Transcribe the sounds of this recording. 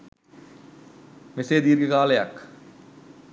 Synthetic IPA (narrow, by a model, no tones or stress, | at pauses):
meseːd̪iːɾɡəkaːlejɐk